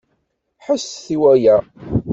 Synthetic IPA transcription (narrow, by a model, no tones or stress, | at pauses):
ħəsθiwæjæ